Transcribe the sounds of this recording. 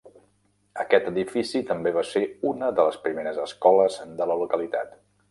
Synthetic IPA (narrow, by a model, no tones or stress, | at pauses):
əkɛt̪əðifisit̪əmbeβaseunəðələspɾimeɾəzəskɔləzd̪ələlukəlit̪a̰t̪